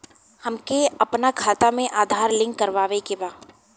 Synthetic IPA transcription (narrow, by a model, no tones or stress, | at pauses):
hɐmkeɐpnakʰaːt̪amẽʔaːd̪ʱaːɾlɪ̃ŋkːɐɾʋaːʋekebaː